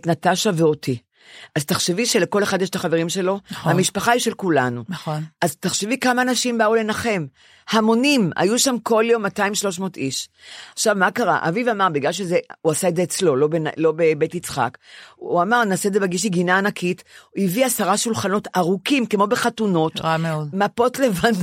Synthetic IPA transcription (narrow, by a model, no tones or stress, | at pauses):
tnataʃaveo̞tʰi | ʔaztaχʃeviʃeleko̞le̞χad̪jɛʃtaχaveʁimʃe̞lo̞nhamiʃpaχaiʃe̞lkulanunʔazt̪aχʃevikamaːnaʃimbaule̞naχe̞m | hamo̞nima̰juʃamko̞ljo̞mːataimʃlo̞ʃ̬mo̞ːtiʃaχʃavmakaʁa̰ʔa̰vivamaʁbiɡlalʃ̬ezeuasaedzeːt͡slo̞lo̞bena̰lo̞be̞betit͡sχa̰kuamaʁnaːseezebeɡiʃ̬iɡinaːnakʰitiviasaʁaʃulχano̞taʁukimkemo̞beχatuno̞tameodmapo̞tle̞van